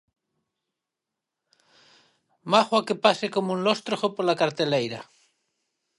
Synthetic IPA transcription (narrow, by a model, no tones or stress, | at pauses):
maxwakepasekomoũnlost̪ɾoxopoɾlakaɾt̪elejɾa̰